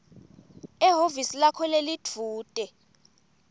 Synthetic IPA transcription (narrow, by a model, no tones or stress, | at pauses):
ɛɦovisilakʰɔlelitʰuːtʼɛ